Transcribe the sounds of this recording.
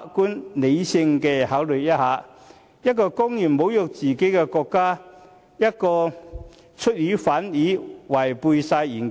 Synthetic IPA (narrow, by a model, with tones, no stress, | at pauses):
kuː˥nle˨˧jsɪ˧ŋkɛː˧haː˨˥wlɵ˨˩jjɐ˥t̚haː˨˥ | jɐ˥t̚kɔː˧kʊ˥ŋjyː˨˩nmo˨˥wjʊ˨˧k̚t͡siː˨˩ke˨˥jkɛ˧kɔː˧kːaː˥ | jɐ˥t̚kɔː˧ | t͡ʃʰɵ˥t̚jiː˨˥faː˨˥njiː˨˥wɐ˨˩jpuː˧jsaː˧jiː˨˩n˦